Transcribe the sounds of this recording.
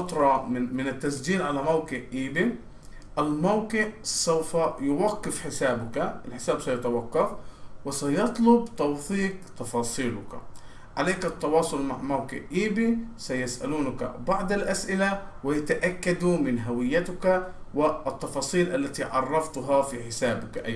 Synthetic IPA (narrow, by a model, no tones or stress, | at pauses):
ɑt̪ɾˤɑmɪnɪt̪ːasd͡ʒiːnʕalamawqɪʕʔiːbi | ʔɪlmawkɪʕsawfajʊwaqːɪfħɪsaːbʊkaʔɪlħɪsaːbsɑjʊt̪awɑqːɑfwɪsajɑt̪ˤlʊb̚t̪ɑwθˤiːqt̪ɑfɑːsˤiːlʊka | ʕaleːkɪt̪ːɑwɑːsˤʊlmaʕmawqɪ̰ʕʔiːbisajasʔa̰luːnaka̰bɑʕd̪ˤɪlʔasʔɪlawɪjat̪aʔakːad̪umɪnɦawɪjːat̪ʊkawɪt̪ːɑfɑːsˤiːlʔalːat̪iʕɑ̰rˤːɑft̪ʊɦɑfiħɪsaːbʊkʔa̰